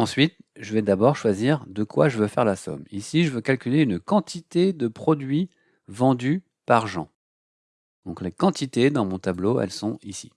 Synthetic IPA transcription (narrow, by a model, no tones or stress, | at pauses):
ɑ̃sɥit̪ʒəvɛd̪abɔʁʃwaziʁd̪əkwa̰ʒəvøfɛʁlasɔ̰misiʒəvøkalkʲyleynkɑ̃t̪it̪ed̪əpχɔd̪ɥi | vɑ̃d̪y | paʁʒɑ̃ | d̪̥ɔ̃klekɑ̃t̪it̪ed̪ɑ̃mɔ̃t̪abloɛ̰lsɔ̃isi̥̰